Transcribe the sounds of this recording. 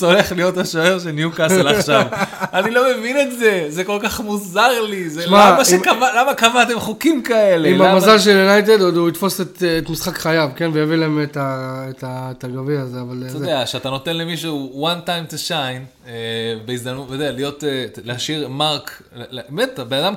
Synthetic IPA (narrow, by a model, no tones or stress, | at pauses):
t͡soleχlijo̞taʃoeʁʃ̬enjukaslaʃavanilo̞me̞vinetze̞zeko̞lkaχmuzaʁlizelmamaʃemkamalamakamat̪e̞mχukimkae̞leimamazalʃ̬eljunajt̬ed̪od̪uit̪fo̞set̪ːtmisχakχajavke̞nvejavilaemetaetaetaɡaviazeavaloedeaʃeat̪ano̞t̪enlemiʃ̬uwantajmt̪uʃajn | ebeizd̪amnuttod̪ealijo̞telehaʃiʁmaʁk | lbemet̪benad̪am